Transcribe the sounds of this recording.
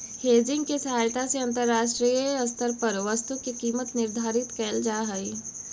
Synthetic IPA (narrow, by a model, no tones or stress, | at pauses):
heːd͡ʒɪ̃ŋɡkesɐɦaːjt̪aseɐ̃nt̪əɾːaːʃʈɾijəɐst̪əɾpəɾʋəst̪ukikiːmət̪nɪɾd̪ʱaːɾɪt̪kɛːld͡ʒaːɦɐi